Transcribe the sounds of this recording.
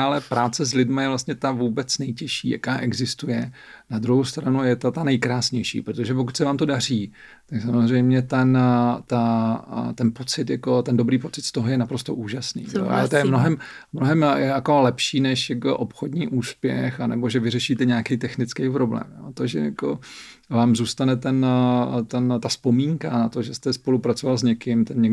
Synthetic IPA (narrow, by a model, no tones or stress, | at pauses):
alɛpɾaːt͡sɛzlɪdmajɛvlast̪ɲɛt̪avuːbɛt͡snɛjcɛʃḭːja̰kaːʔɛɡzɪst̪ujɛ | nad̪ɾuɦowst̪ɾanujɛt̪at̪anɛjkɾaːsɲɛjʃḭːpɾot̪o̞ʒɛpo̞kut̪ʲsɛvaːmt̪o̞dar̝iː | t̪aksamozrɛjmɲɛt̪ɛnt̪at̪ɛnpo̞t͡sɪt̪jako̞t̪ɛndo̞bɾiːpo̞t͡sɪt̪st̪o̞ɦojɛnapɾo̞st̪o̰ʔuːʒasnḭːʒɛ̰ʔa̰t̪ojɛmnoɦɛm | mnoɦɛmjɛakolɛpʃiːnɛʃjako̰ʔopxodɲiːʔuːspjɛ̰xanɛbo̞ʒɛvɪrɛʃiːt̪ɛɲaːkejt̪ɛxnɪt͡skejpɾo̞blɛ̰ːmjo̰t̪oʒɛ̰jakovaːmzuːst̪anɛt̪ɛnt̪ɛnt̪aspo̞miːŋkanat̪o̞ʒɛst̪ɛspo̞lupɾat͡sovalzɲɛkɪmt̪ɛnɲɛɡ